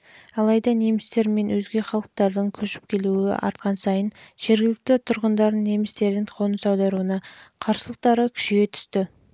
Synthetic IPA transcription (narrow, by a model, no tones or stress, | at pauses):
ɑlˠɑjd̪ɑne̞mɪst̪e̞ɾme̞nwɵzɡʲe̞χɑlˠəq̚t̪ɑɾd̪əɴkʲʰɵʃɪ̥p̚kʲʰe̞luɪ̰ʔɑ̰ɾt̪̚qɑnsɑjənʒ̥e̞ɾɡʲɪlɪk̚t̪ɪt̪ʰʊɾʁənd̪ɑɾəne̞mɪst̪e̞ɾd̪ɪŋqʰo̞nəsɑwd̪ɑɾuənɑqʰɑɾsəlˠəq̚t̪ɑɾəkʲʰʏ̥ʃɡʲe̞t̪ʰʏ̥st̪ɪ